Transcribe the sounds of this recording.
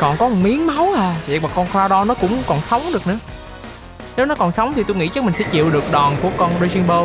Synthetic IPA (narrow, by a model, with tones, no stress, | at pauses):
kɔ˨˩nkɔ˨˦˨mi˨˦əŋma˨˦whaː˨˩vḛ˨˧˨maː˨˩kɔ˧nxwaː˧ɗɔ˨˦nɔ˨˦kʊ̰˧˥ŋ͡mkɔ˨˩nsə˨˦wŋ͡mɗɨ˨˩ək̚nɨ̰˧˥ə | ne˨˦wnɔ˨˦kɔ˨˩nsə˨˦wŋ͡mt̪ʰi˨˩t̪u˧jŋḭ˧˥t͡ɕə˦˥mï˨˩ŋ̟sɛ̰˧˥t͡ɕḭ˧˨əwɗɨ˨˩ək̚ɗɔ˨˩nku˧˩əkɔ˧nze˧zi˧nɓo˧